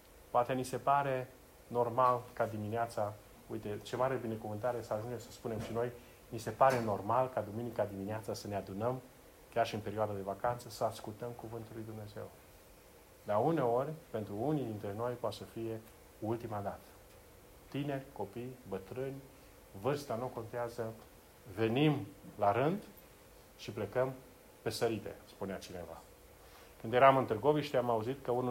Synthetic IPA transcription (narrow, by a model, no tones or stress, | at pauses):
poat̪enise̞paɾe̞ | no̞rmalkad̪imineat̪sa | ujt̪e̞t͡ʃe̞maɾe̞bine̞kuvɨnt̪aɾesəaʒund͡ʒemsəspune̞mʃino̞j | nise̞paɾe̞no̞rmalkad̪uminikad̪imineat̪sasənead̪unəm | kʲjarʃiɨnpe̞ɾioad̪ad̪e̞vakant̪səsəaskult̪əmkuvɨnt̪ulːujd̪umne̞ze̞̰w | d̪aune̞o̞rʲpe̞nt̪ɾuunid̪int̪ɾe̞no̞jpoat̪səfije̞ | ult̪imad̪at̪ə̥ | t̪ine̞rʲko̞pijbət̪ɾɨnʲ | vɨrst̪anuko̞nt̪eazə | ve̞nimlaɾɨnd̪ | ʃipɾekəm | pe̞səɾit̪e̞̰spuneat͡ʃine̞va̰ | kɨnd̪jeɾamɨnt̪ɨrɡo̞viʃt̪ʲamauzit̪kəunu